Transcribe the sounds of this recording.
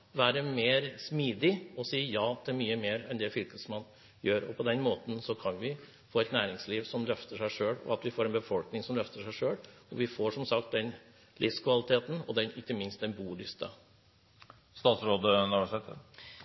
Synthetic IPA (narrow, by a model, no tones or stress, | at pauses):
ʋæːɾəmeːɾsmiːd̪ɪɔsiːjɑːt̪ʰɪmyːəmeːɾɛnd̪ɛfʏlkəsmɑn | jøːɾɔ̰pʰɔd̪ɛnmoːt̪ən̩sɔkʰɑnʋɪ | foːɛt̪næːɾɪŋsliːʋsɔmlœft̪əʂæɪʂøːɽɔ̰ɑt̪ʋɪfoːɾɛnbəfɔlknɪŋsɔmlœft̪əʂæɪʂøːɽɔʋɪfoːʂɔmsɑk̚t̪̚d̪ɛn | lɪfskʰʋɑlɪt̪ʰeːt̪n̩ɔ̰d̪ɛnɪkːəmɪnst̪̚d̪ɛnbuːlɪskə̰ | st̪ɑːt̪sɾoːd̪ənæɾʋæʂt̪ʰeːt̪ə